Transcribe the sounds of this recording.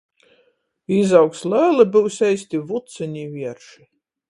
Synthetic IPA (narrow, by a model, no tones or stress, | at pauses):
izawkslæːlˠɨbɨwsʲɛjsʲt̪ʲivut̪sɛnʲiːvʲiɛɾʃi